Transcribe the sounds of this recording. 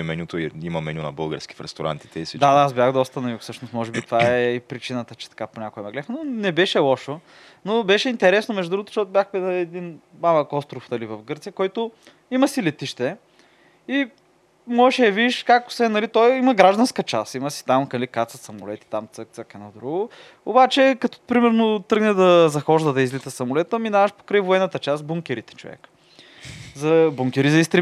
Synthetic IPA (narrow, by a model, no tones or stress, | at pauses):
ɛmɛnʲut̪oiimɐmɛnʲunɐ̰bɤlˠɡəɾskʲi̥fɾɛ̰st̪oɾa̰nt̪i̥t̪ɛisd̪ad̪aasbʲjaxd̪ɔst̪ənɐufsɤʃnosmɔʒɛbit̪vaɛɛipɾit͡ʃinət̪ət͡ʃɛ̥t̪ɐ̥kaponʲakoɛmɛɡlɛɛxnonɛbɛʃɛlˠɔʃo | nobɛʃɛint̪ɛɾɛsnomɛʒd̪ud̪ɾuɡot̪oʃt̪ɔt̪ʊbjaxpɛd̪ɛd̪in | mamɐkɔst̪ɾofnɐlivɐfɡɤɾt̪sijəkɔjt̪ʊ | iməsilɛt̪iʃt̪ɛ | i | mɔɛʃɛjɐvid̪iʃkako̥svɛnːɐlit̪ɔjiməɡɾaʒd̪ɐnskət͡ʃa̰siməsi̥t̪amlikat̪səsɐmo̰lɛt̪i̥t̪amt̪sək̚t̪səkɐnɐd̪ɾuɡo | o̰bat͡ʃɛkɐt̪ɔ̥pɾimɛɾnot̪ɾɤɡnɛd̪ɐzɐxɔʒd̪əd̪ɐizlit̪səsɐmolɛt̪əminavɐʃpo̥kɾəjvoɛnːət̪ət͡ʃasbuŋkʲɛɾit̪ɛ̥t͡ʃovɛ̰k | zɐbuŋkʲɛɾizɐist̪ɾɛ